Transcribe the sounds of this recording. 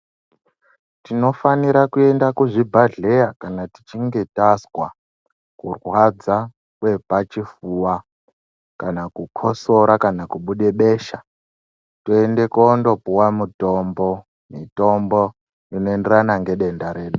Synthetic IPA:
tino̞faniɾakue̞ndakuʐibʱaɮe̞jakanati̥t͡ʃiŋɡe̞taswa | kurwwad͡za | kwe̞pat͡ʃifuwa | kanakukʰoso̞ɾakanakuɓuɗe̞ɓe̞ʃa | tuende̞koːndo̞puwamuto̞mbo̞ | mito̞mbo | ino̞enderanaŋɡe̞ɗe̞ndaɾe̞ːɗu

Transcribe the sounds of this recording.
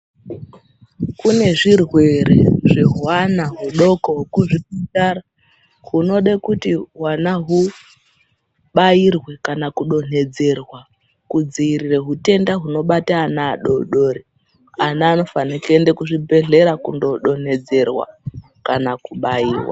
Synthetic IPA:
kune̞ʐirwe̞ɾeʐeɦwanaɦuɗo̞kookuʐiputaɾa | ɦuno̞ɗakutiɦwanaɦu | ɓairwe̞kanakuɗo̞n̥e̞d͡ze̞rwa | kud͡ziirireɦute̞ndaɦuno̞ɓataːnaːɗo̞̰ɗo̞ɾe | anaːno̞fanikende̞kuʐibʱe̞ɮe̞ɾakundo̞ɗo̞n̥e̞d͡ze̞rwa̰ | kanakuɓaiːwa̰

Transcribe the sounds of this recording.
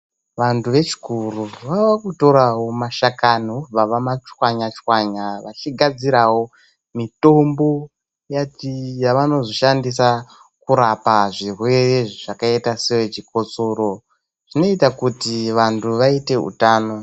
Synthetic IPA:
ʋantʰuʋe̞t͡ʃi̥kuruʋawakuto̞ɾawomaʃakaniob͡vaʋamat͡ʃwaɲat͡ʃwaɲaʋat͡ʃiɡʱad͡ziɾawo̞ | mito̞mbo̞ | jatijaʋano̞zoʃandisa | kuɾapaʐirwe̞ʐʐakaetasewet͡ʃiko̞t͡so̞ɾo̞ | ʐ̥ino̞itakutiʋantuʋaite̞ṵtaːno̞

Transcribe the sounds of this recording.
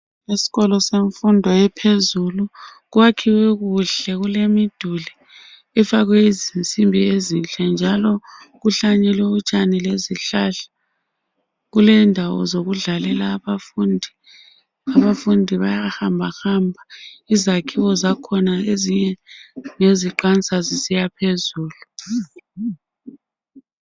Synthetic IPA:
isi̥ɣɔlɔseɱfundʱɔjɛpʰezulu | ɣwakʰiwɛɣuɬɛɣulemid̥ʱuli | ɛfaɣwɛizint͡sʼimbʱiezint͡ɬʼɛnd͡ʒʱalɔɣuɬaɲɛlwɛut͡ʃʼanileziɬaɬḁ | ɣulɛndʱawɔ̰zoɣuɮalɛlaβafundʱi | aβafundʱiβajahambʱaxambʱaizakʰiwɔzakʰɔnaeziɲɛŋeziǃant͡sʼazisijapʰezuːlu

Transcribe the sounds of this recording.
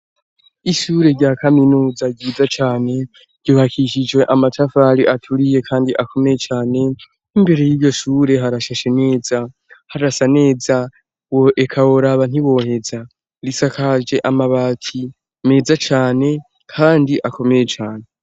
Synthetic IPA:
iʃuːɾe̞ɾɟaːkʰaminuːzaɡɟiːzat͡ʃaːne̞ | ɾɟ̥oːβakʰiʃ̬id͡ʒɡwe̞ʔamatʰafaɾiʔatʰuɾije̞kʰaːndiʔakʰo̞me̞je̞t͡ʃaːne̞ | imbe̞ɾe̞jiːβɟo̞ʃuːɾe̞ɦaɾaʃaʃe̞ne̞ːza | haɾasane̞ːza | woʔekʰawo̞ɾaβan̥iβo̞he̞za | ɾisakʰaʒe̞ʔamaβatʰi | me̞ːzat͡ʃaːne̞ | kʰaːndiʔako̞me̞je̞t͡ʃaːne̞

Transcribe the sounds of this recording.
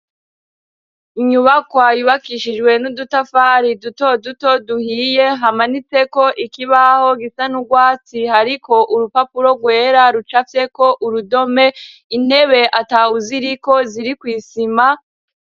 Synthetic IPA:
iɲuβakwajuβakiʃid͡ʒɡwe̞nudutafaːɾidutoduto̞duhije̞ɦamanit͡se̞ko̞ʔikiβaho̞ɡisanuɡwaːt͡sihaɾikʰo̞ʔuɾupapuɾo̞ɡwe̞ːɾaɾut͡ʃafje̞ko̞ʔuɾudo̞me̞ | ine̞βe̞ʔatauziɾiko̞ziɾikwiːsima

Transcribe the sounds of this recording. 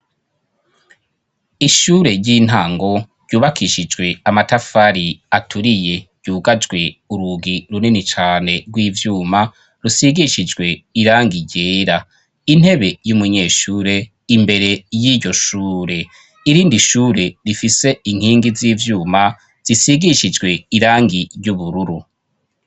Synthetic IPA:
iʃuːɾe̞ɾɟiːn̥haːŋɡo̞ɾɟuːβakʰiʃid͡ʒɡwe̞amatafaɾiatʰuɾije̞ɾɟuːɡad͡ʒɡwe̞uɾuɡiɾuninit͡ʃaːne̞ɾɡwiːvjuːma | ɾusiɡiʃid͡ʒɡwe̞iɾaːŋɡiɟeːɾa | in̥he̞βe̞jumuɲe̞ːʃuːɾe̞ | imbe̞ɾe̞jiɾɟo̞ʃuːɾe̞ | iɾiːndiʃuːɾe̞ɾifise̞iŋ̥hiːŋɡiziːvjuːma | z̥isiɡiʃid͡ʒɡwe̞iɾaːŋɡiɾjuβuɾuɾu

